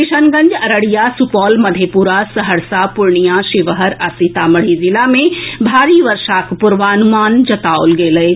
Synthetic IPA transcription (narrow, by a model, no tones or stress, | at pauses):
kɪʃənɡə̃ɲd͡ʒɐɾəɽijasupɔːlmɐd̪ʱepuɾasəɦəɾsapʊɾɳijãʃɪʋəɦəɾɐsit̪amɐɽ̤izɪlamẽbʱaːɾiʋɐɾʃakpʊɾʋanʊmaːnd͡ʒɐt̪aːo̰lɡeːləe